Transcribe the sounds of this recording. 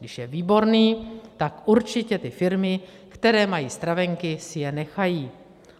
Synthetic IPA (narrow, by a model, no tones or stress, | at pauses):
ɡdɪʃjɛviːbo̞ɾniːt̪akʔuɾt͡ʃɪcɛt̪ɪfɪɾmɪ | kt̪ɛɾɛːmajiːst̪ɾavɛŋkɪsɪjɛnɛxajiː